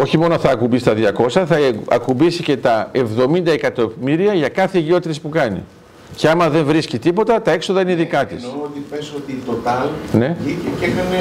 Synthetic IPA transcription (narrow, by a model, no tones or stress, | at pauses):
o̞çimo̞noθɐːkubist̪ɐðʝɐko̞sɐθɐɐ̰kumbisice̞t̪ɐe̞vðo̞mind̪ɐe̞kɐt̪o̞miɾiɐʝɐkɐθe̞ʝio̞t̪it̪espukɐnḭ | ce̞ɐmɐðe̞ɱvɾiscit̪ipo̞t̪ɐt̪ɐe̞kso̞ðɐineiðikɐt̪isot̪ipesot̪it̪ot̪ɐlne̞icecekɐne